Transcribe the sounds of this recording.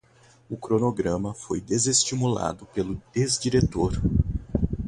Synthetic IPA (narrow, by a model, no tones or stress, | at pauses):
ʊkɾonoɡɾɐ̃mɐfojd̪ezest͡ʃimula̰d̪ʊpelʊd̪ezd͡ʒiɾet̪oɾ